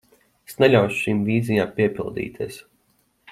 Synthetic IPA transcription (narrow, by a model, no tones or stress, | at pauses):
esnelʲawʃu̥ʃiːmviːzijaːmpiɛpʲilˠd̪ḭːt̪ʰḭɛs